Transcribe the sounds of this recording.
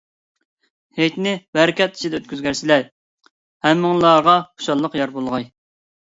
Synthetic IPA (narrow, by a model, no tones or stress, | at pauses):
hejt̪nɪbæɾɪkʲʰɛt̪i̥t͡ʃʰid̪ɛøt̪̚kʲyzɡʲæɾsɪlæɾ | hɛmːɨŋlˠɑʁɑχʰʊ̥ʃɑlˠːəqjɑɾbolˠʁɑj